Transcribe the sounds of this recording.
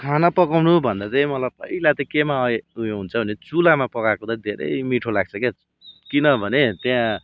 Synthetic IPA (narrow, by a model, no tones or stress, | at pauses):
kʰanapʌkawnubʱʌnd̪at̪ʌjmʌlab̚pʌ̰ilat̪ʌkemaʌeɦunt͡sʰʌbʱʌnet͡sulamapʌkakot̪ʌ̃d̪ʱeɾʌ̰jjmiʈʰolaɡ̚t͡sʰʌke | kinʌbʱʌnet̪jã